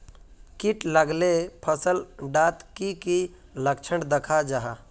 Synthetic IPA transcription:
kiʈləɡlepʰəsəlɖat̪kiki | ləkt͡ʃʰəɳɖd̪əkʰad͡ʒaɦa

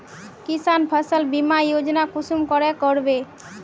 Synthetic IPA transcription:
kisanpʰəsəlbimajod͡ʑonakuʃumkɔɾekoɾbe

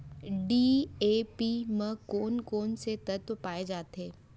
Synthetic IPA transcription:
ɖiːeːpimə̃koːnkoːnset̪ɐt̪paːed͡ʒaːt̪eː

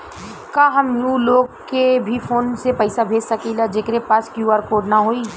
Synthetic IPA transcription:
ɪ | kaɦɐmjũloːɡkebʱifoːnsepɐɪsabʱeːd͡ʒsakilad͡ʒeːkɾepaːskjuːaːɾkoːɖnaɦoːiː

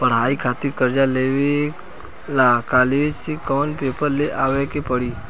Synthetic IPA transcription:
pəɽ̤ɦaːikʰaːt̪ɪɾkəɾd͡ʒaleːʋe | laːkaːleːd͡ʒsekɔːnpeːpəɾleʔaːʋekepəɽi

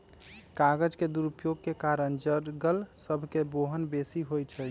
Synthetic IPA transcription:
kaɡəd͡ʒked̪uɾupjoɡ̚kekaɾənd͡ʒəɾɡəlsəbʱkeboɦənbesiɦojt͡ʃʰə

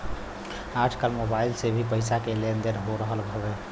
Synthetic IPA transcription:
aʈʰkalmobailsebʱipəɪsakelend̪eɾɦoɾəɦəlbʱəbe

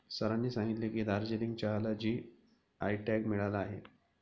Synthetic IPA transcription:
səɾanːiːsãŋɡit̪lekiːd̪aɾd͡ʑeliŋɡt͡ɕaɦlad͡ʑiː | ajʈɛkmiɭalaːɦe

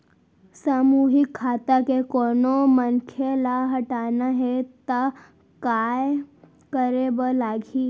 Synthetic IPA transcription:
saːmuɦɪkʰːaːt̪akekonomənkʰelaɦɐʈaːnaɦet̪a | kaːj | kəɾebəlaːɡʱi

